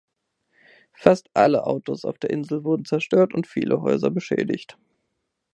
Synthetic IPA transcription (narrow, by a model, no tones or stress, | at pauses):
fastʔaləʔaʊtosa̰ʊfd̥eːɐʔɪnzl̩vʊɐdn̩t͡sɛɐʃtøːɐtʊntfḭːlʔəɦɔʏzɐbəʃɛ̰ːdɪ̰çt